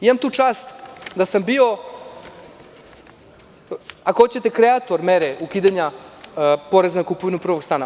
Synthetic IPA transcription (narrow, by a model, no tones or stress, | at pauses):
imamt̪uːt͡ʂaːst̪d̪asambio̞ | akohot͡ɕet̪ekɾeat̪o̞ɾmeɾeukiːd̪aɲa | po̞ɾeznakupoʋinupr̩ʋoɡst̪aːna